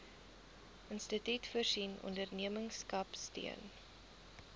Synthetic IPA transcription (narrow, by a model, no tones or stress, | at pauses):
ʔənstətytfərsinɔ̰ndərniəməŋskɐpstḭən